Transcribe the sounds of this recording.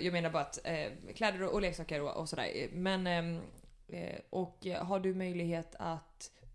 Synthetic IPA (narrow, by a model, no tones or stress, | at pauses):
jɑːɡmeːnaɾbɑːɾat̪kʰlɛːd̪əɾɔʔɔleːksɑːkəɾɔʔɔ̰sɔd̪æ̰ːɾmɛn | ʔɔkɦaɖɵmœjlɪɡheːt̪ʰat̪